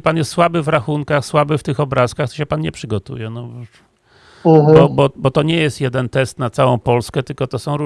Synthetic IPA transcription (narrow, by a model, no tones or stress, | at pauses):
panjɛst̪swabɘvɾaxuŋkaxswabɘft̪ɘxɔbɾaskaxt̪ɔ̥ɕɛpanɲɛpʂɘɡɔt̪ṵjɛnɔv | bɔbɔbɔt̪ɔɲɛjɛst̪jɛd̪ɛnt̪ɛst̪nat̪sawɔ̃w̃pɔlskɛt̪ɘlkɔt̪ɔsɔ̃w̃ɾu